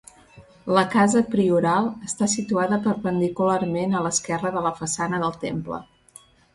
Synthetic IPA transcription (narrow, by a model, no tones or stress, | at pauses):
ləkazəpɾiuɾalˠəst̪asit̪uaðəpəɾpənd̪ikularmenələskɛrəðələfəsanəðəlˠt̪emplə̰